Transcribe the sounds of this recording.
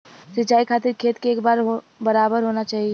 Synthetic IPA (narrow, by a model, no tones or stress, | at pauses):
sɪt͡ʃaːikʰaːt̪ɪɾkʰeːt̪keeːkbaːɾɦo | bɐɾaːbəɾɦoːnat͡ʃaːɦie